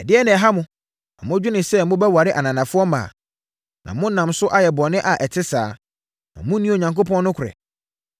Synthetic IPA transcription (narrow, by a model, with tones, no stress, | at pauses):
ɛ˨dɪ˦ɛ˦nɪ̃˨ɛ˨ɦa˦mʊ̃˦ | nã̰˨mʊ̃˦d͡ʑᶣʊ˦nɪ̃˨sɛ˦mʊ̃˦bɛ˦wa˨ɾɪ˦ʔa˨nã˨nã˨fʊ˦ɔ˦mã̰ː˨ | nʔã̰˨mʊ̃˦nã˨msʊ˦ʔa˦jɛ˨bɔ˨nɪ̃˦ʔa˨ʔɛ˨tʰɪ˦saː˦ | nã̰˨mʊ̃˦nĩ˦o˨ɲã˨ŋko˦pʰɔ̃˦nː˦ʊ̃˦kʰʊ˨ɛ̰˨